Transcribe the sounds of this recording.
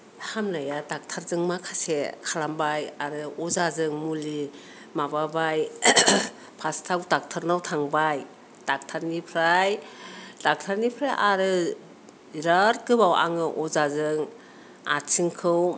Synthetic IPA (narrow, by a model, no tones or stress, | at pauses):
hamnajadak̚tʰaɾzɯŋmakʰasekʰalambajaɾɯɔzazɯŋmuli | mababaj | pʰastʰawtak̚tʰaɾnawtʰaŋbaj | d̥ak̚tʰaɾnipʰɾajd̥ak̚tʰaɾnipʰɾajʔaɾɯ | iɾaɾkɯbawʔa̰ŋɯʔɔzazɯŋ | a̰t͡ʃʰiŋkʰɯw